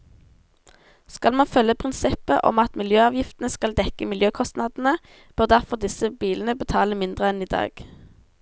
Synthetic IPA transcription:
skɑlmɑnfœləpʰʁɪnsɪpəʔɔ̰mɑt̪mɪljøːɑːʋjɪft̪nəskɑld̪ɛkəmɪljøːkʰɔst̪nɑd̪n̩ə | b̥øːʁd̪æʁfɔʁd̪ɪsəbiːln̩əbət̪ʰɑːləmɪnd̪ʁəɛniːd̪ɑ̰ːɡ̥

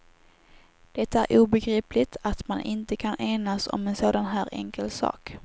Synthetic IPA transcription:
d̪̥ɛt̪aæɾʔuːbɛɡɾiːplɪt̪ʰat̪manʔɪnt̪əkʰanʔeːnasɔ̰mɛnsoːd̪anɦæːɾʔɛ̰ŋkɛlsɑ̰ːk

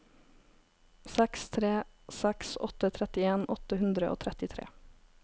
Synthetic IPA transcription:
sɛkst̪ʰɾeːsɛksɔ̰t̪ət̪ʰɾɛt̪ɪeːnʔɔt̪əhʉnd̪ɾəʔo̰ːt̪ʰɾɛt̪ɪt̪ʰɾḛː

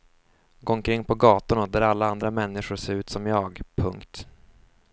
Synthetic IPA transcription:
ɡoːɔŋkʰɾɪŋːpʰɔɡɑːt̪ʊnad̪æɾalːaand̪ɾamɛnːɪɧʊɾʂeːɾʉ̟ːt̪sɔmjɑːɡpʰɵŋkt̪

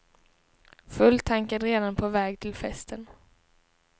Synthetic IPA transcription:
fɵlt̪ʰaŋkad̪ɾeːd̪anpʰɔvɛːɡ̚t̪ʰɪlfɛst̪ʰən

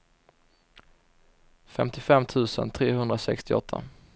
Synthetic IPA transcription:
fɛmt̪ʰɪfɛmːt̪ʰʉ̟ːsə̰nt̪ʰɾeːhɵnd̪ɾasɛkst̪ɪɔ̰t̪ʰːa̰

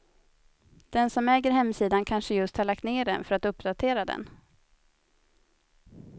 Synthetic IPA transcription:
d̪̥ɛnsɔmɛːɡəɾɦɛmːsiːd̪ankʰanʂəjɵst̪haɭak̚t̪neːɖɛ̰nfœɾat̪ɵpːd̪at̪ʰeːɾad̪ɛ̰n

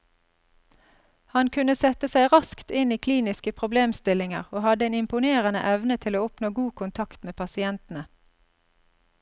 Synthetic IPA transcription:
hɑnkʰʉnəsɛt̪əsæɪʁɑskt̪ɪniːkʰliːnɪskəpʰʁʊbleːmst̪ɪlɪŋə̰ʁoːhɑd̪əeːnɪmpʊneːʁənə̰ʔɛʋnət̪ʰɪloːɔpnoːɡuːkʊnt̪ʰɑkt̪meːpʰɑsɪɛnt̪n̩ə

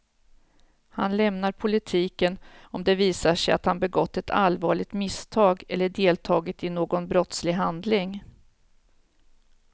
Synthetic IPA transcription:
hanlɛmnaɾpʰʊlɪt̪ʰiːkənɔmd̪ɛviːsaʂɛja̰t̪hanbɛɡɔt̪ːɛt̪ʰa̰lvɑːɭɪɡ̚t̪mɪst̪ʰɑːɡɛlːəɖeːlt̪ʰɑːɡət̪ɪnoːɡɔnbɾɔt̪slɪɡɦand̪lɪŋ

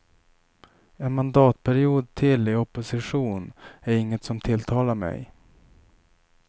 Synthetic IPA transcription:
ɛnmand̪ɑːt̪̚pʰæɾɪuːd̪̚t̪ʰɪlɪɔpːʊsɪɧuːnæɾɪŋːət̪sɔmt̪ʰɪlt̪ʰɑːlaɾmɛ̰j

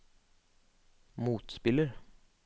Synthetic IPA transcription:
muːt̪spɪləɾ

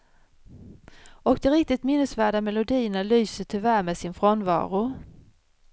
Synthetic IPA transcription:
ɔk̚d̪ɛɾɪk̚t̪ɪt̪mɪnːəsvæːɖamɛlʊd̪iːəɳalyːsəʈʰʏvæːɾmɛsɪnfɾɔnvɑ̰ːɾʊ

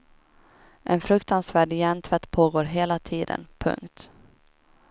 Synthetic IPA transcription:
ʔɛnfɾɵkt̪ansvæːɖɪjɛnt̪ʰvɛt̪ːpʰoːɡoːɾɦeːlat̪ʰiːd̪ə̰npʰɵ̰ŋkt̪

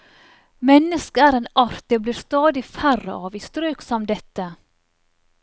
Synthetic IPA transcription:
mɛnːəskəæɾeːnɑɾt̪̚d̪eːbliːɾst̪ɑːd̪ɪfærːə̰ʔɑːʋiːst̪ɾøːksɔmd̪ɛt̪ːə

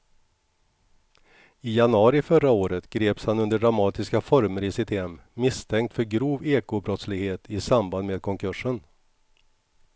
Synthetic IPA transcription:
ɪjanɵɑːɾɪfœɾaoːɾət̪ɡ̥ɾeːpshanɵnd̪əɖɾamɑːt̪ɪskafɔɾməɾɪsɪt̪ʰɛmːɪst̪ʰɛŋkt̪fœɾɡɾuːveːkʊbɾɔt̪slɪɡheːt̪ʰɪsamband̪meːd̪̚kʰɔŋkʰɵʂən

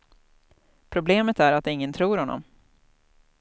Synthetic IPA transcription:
pʰɾʊbleːmət̪æɾat̪ɪŋːənt̪ʰɾuːɾhɔnːɔ̰m

